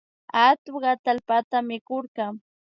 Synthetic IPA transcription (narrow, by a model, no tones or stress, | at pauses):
at̪ʊɢɑt̪alpat̪amɪkoɾɢɑŋ